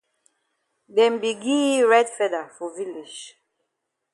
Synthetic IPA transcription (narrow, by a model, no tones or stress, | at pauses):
dɛ̃mbiɡiɹɛdfɛdafɔvilid͡ʒ